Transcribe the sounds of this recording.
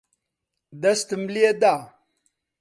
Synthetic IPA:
d̪ɐst̪əmlied̪a

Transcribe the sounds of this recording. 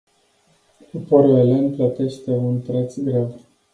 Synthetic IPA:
upoɾoelenplət̪e̞ʃt̪e̞unpɾet̪sɡɾev

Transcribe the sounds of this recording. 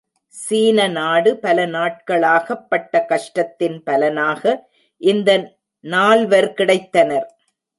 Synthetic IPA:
siːnɐnaːɽɯpɐlɐnaːʈ̚kɐɭaːɣɐpːɐʈːɐkɐʂʈɐt̪ːɪnpɐlɐnaːɣɐ | ʔɪnd̪ɐ | naːlʋɐɾkɪɽɐɪt̪ːɐnɐɾ

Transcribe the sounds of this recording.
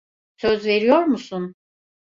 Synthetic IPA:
søzve̞ɾijo̞ɾmusun

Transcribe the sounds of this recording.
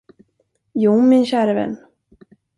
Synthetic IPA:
juːmɪnɕæːɾavɛ̰nː

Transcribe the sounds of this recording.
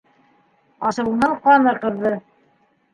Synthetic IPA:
ɑʃɤ̆wɤ̆nːɑɴqɑnɤqɤ̆ðːɤ

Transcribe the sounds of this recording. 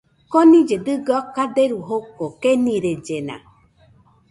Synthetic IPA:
konĩd͡ʒed̪ɨɡakad̪eɾuɦokokenĩɾed͡ʒenã̰

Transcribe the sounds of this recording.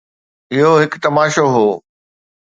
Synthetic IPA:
ɪɦoɦɪkt̪ɐmaːʃoɦoː

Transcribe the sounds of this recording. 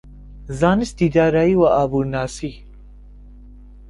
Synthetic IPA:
zaːnist̪id̪aːɾaiwaʔaːbuɾnaːsi

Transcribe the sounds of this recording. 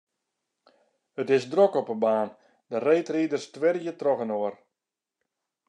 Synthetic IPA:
ətɪsdrɔkɔpəbaːn | dəreːtriːdərstʋɪrjətrɔɣənoər

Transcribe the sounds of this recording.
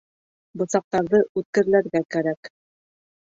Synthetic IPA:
bŏsɑq̚t̪ɑɾðɤʔʉt̪̚kɘ̆ɾɘ̆læɾɡækæɾæk

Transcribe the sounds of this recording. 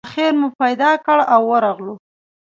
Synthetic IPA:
xeɾmupajd̪ɑkəɽawːəɾɑɣlu

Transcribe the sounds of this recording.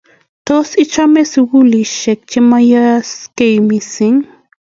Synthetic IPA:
t̪osɪt͡ʃameswʊliʃek̚t͡ʃɪmajaskejmɪsɪŋ

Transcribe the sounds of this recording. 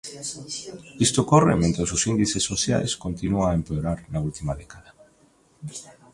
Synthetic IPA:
ist̪okorḛmẽnt̪ɾosʊsind̪iθesːoθja̰jskont̪inuaempeoɾaɾnault̪imaðɛkaða

